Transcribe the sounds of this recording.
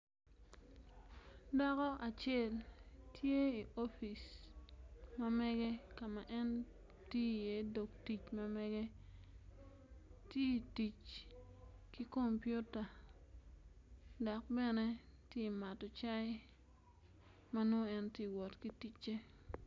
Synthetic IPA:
dɔ˦kɔ˦ʔa˨t͡ʃe˦˨ltʰje˦i˨ʔo˦fi˨s | ma˦mɛ˦ɡɛ˦ka˨ma˨ʔɛ˦n | ti˦je˨˦do˨kti˨t͡ʃma˦mɛ˦ɡe˦ | ti˦˨ti˨t͡ʃ | ki˦ko˦mpju˦ta˨ | da˨k̚bɛ˦ne˦ti˦ma˨tɔ˨t͡ʃa˦ɪ˦ | ma˦no˦ɛ˦nti˦wɔ˨tki˦ti˦t͡ʃːe˦

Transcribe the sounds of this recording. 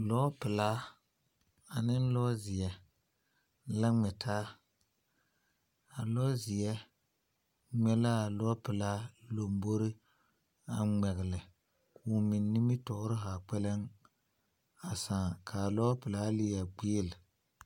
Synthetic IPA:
lɔː˦pɪ˨la˦ | a˨nɪ˦n˦lɔ˦zɪ˨jɛ˨ | la˦ŋɛ˨tʰaː˦ | a˨lɔ˦zɪ˨ɛ˦ | ŋ͡mɛ˦laː˦˨lɔ˦pɪ˨la˦lo˨mbo˦ɾi˦ | a˨ŋ͡mɛ˨ɣɪ˨lɪ˨ | kʊ˨mɪ˨nːi˦mi˦tɔ˨ʔɾɪ˦ɦa˨k͡pɛ˦lɛ˦ŋ | a˨saː˨kʰa˨lɔː˦pɪ˨laː˦lɪ˦a˨ɡ͡beː˦lɪ˨

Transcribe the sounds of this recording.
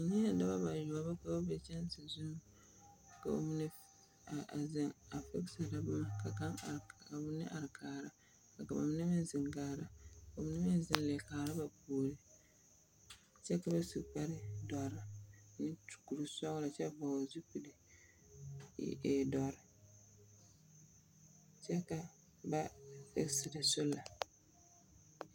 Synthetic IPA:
nɪ˦a˨da˦ba˦ba˨jo˨a˨ba˦ka˦bo˦bɛ˦t͡ʃɛ˦n˦sɪ˨zu˦˨ | ka̰˨o̰˦mi˦nɪ˦˨ | zɪ˦ŋa˨fɛ˦ksa˨ɾa˨˦bʊ˦ma˨ka˨ka˦ŋ˨a˨bʊ˦nɪ̰˦ʔa˨ɾɪ˨kʰaː˨ɾa˦ | ka˨ka˨ba̰˨m˦nɪ˦mɪ˦n˦zɪ˨ŋɡaː˨ɾa˨ka˨o˨m˦nɪ˦mɪ˦n˦zɪ˦n˦le˨kaː˨ɾa˦ba˨puː˨lɪ˦ | t͡ʃɛ˦ka˨ba˦si˨k͡pa˦ɾɪ˦dɔ˨ɾɪ˨nɪ˦tu̥˨ku˨ɾu˨sɔ˦ɣla˨t͡ʃɛ˦ba˨wa˨zu˦k͡pi˨dɪ˨ | ḛː˨dɔ˨ɾɪ˦ | t͡ʃɛ˦ka˨ | ba˦ɛ̰˦sɪ˨dɪ˨sʊ˦la˨

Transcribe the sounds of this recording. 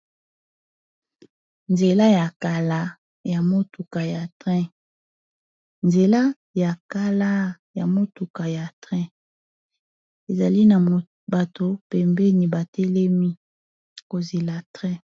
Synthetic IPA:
nze˨la˦ja˨ka˨la˨ | ja˨mo˦tu˨ka˨ja˨tʁɛ̃˦ | nze˨la˦ | ja˨ka˦la˦ | ja˨mo˦tu˨ka˨ja˨tʁɛ̃˦ | e˨za˨li˦na˨ | ba˨to˨pɛ˨mbɛ˦ni˨ba˨tɛ˦lɛ˦mi˦ | ko˨ze˨la˨tʁɛ̃˦

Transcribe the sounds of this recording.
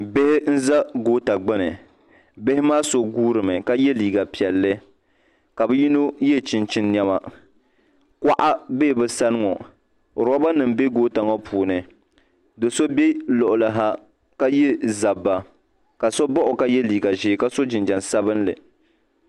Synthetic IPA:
bɪ˦hɪ˦n̩˦za˦ɡoː˦ta˨ɡ͡bɛ˦nɨ˨ | bɪ˦hɪ˦maː˦so˨ɡuː˦ɾɨ˨mɨ˨ka˦jɛ˦liː˨ɡa˨pi˨ɛ˨lːɨ˦ | ka˨bɨ˦ji˦no˦jɛ˦˨t͡ʃɪ˦nt͡ʃɪ˦nːjɛ˦ma˨ | kʷa˦ʔa˦be˦˨bɨ˨sa˦nɨ˦ŋɔ˨ | ɾɔ˦ba˦nɨ˨m˦be˦ɡoː˦ta˨ŋɔ˦pʰuː˨nɨ˨ | do˨so˦be˦lɔ˨ʔʊ˨la˨ɦa˦ | ka˦jɛ˦za˨bːa˨ | ka˨so˦bɔ˦ʔʊ˨ka˦jɛ˦liː˨ɡa˨ʒɪ˦ɪ˦ka˦so˦d͡ʒɪ˨nd͡ʒa˨nsa˦bɨ˦nlɨ̰˨

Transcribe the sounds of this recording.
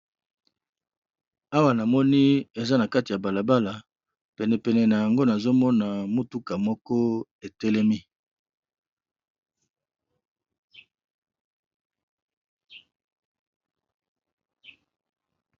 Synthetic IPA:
a˦wa˨na˨mɔ˦ni˦e˨za˦na˨ka˦ti˨ja˨ba˨la˨ba˦la˨ | pɛ˨nɛ˨pɛ˨nɛ˨na˨ja˨ŋɡo˦na˨zo˦mɔ˦na˨mo˦tu˦ka˨mɔ˦kɔ˦e˨tɛ˦lɛ˦mi˦

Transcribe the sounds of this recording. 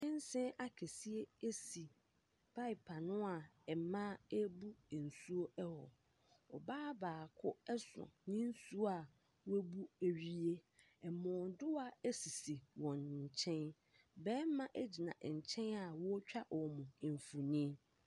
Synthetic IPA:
ɛ̃˦n˦sɪ̃˦a˨kʰɛ˨si˦e˦e˦si˨ | pʰa˦i˨pʰa˨nʊ̃˦a˨ɛ˨mã˦e˦bu˦˨n̩˨su˦o˦ɛ˦hɔ̰˨ | ɔ̰˨baː˦baː˨kʰʊ˦ɛ˦sʊ̰˨nĩ˦n̩˦su˦a˨ | we˦bu˦e˨ɥi˦e˦ | ɛ˨mɔ̃ː˨dʊ˦wa˨æ˦si˨si˨wɔ̃˨nɲ̩˨t͡ɕʰɛ̃˦n | bɛː˦mã˦ʔæ˦d͡ʑi˨nã̰˨ɲ̩˨t͡ɕʰɛ̃˦na˨wɔ˦t͡ɕᶣa˦ʔɔ˨mʊ̃˨ɱ˨fu˨nĩ˦

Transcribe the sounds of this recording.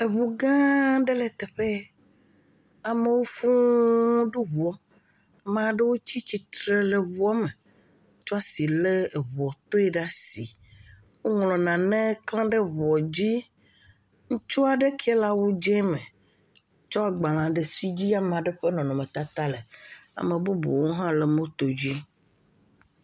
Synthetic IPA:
e˨βu˨ɡã˦ɖe˦le˨t̪e˨ɸe˦ | a˨me˨wo˦fũ˦ɖu˦βu˨ɔ˦ | mã˨ɖe˦wo˦t͡ɕi˦t͡ɕi˨t̪ɾe˦le˨βu˦ɔ˦mẽ˨ | ŋ˦t͡ʃɔ˦a˦si˨le˦˨βɔ˨t̪o˦ɛ˦ɖa˦si˨ | wo˦ŋlɔ̃˨nã˨nẽ˦klã˦ɖe˦βɔ˨d͡ʑi˦ | ŋ̩̃˦t͡ʃɔ˦a˨ɖe˦kʰɛ˦la˦wo˦d͡ʒɛ˦mẽ˨ | t͡ʃɔ˦a˨ɡ͡ba˨lã˨ɖe˨si˦d͡ʑi˦a˦mẽ˨a˨ɖe˦ɸe˦nɔ̃˨nɔ̃˨mẽ˨t̪a˦t̪a˦le˨a̰˨mẽ˨bu˦bṵ˨wo˦ɦã˦le˨mõ˦t̪o˨d͡ʑi˦

